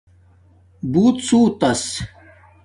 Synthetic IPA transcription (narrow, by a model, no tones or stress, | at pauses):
buːt̪t͡suːt̪ɐs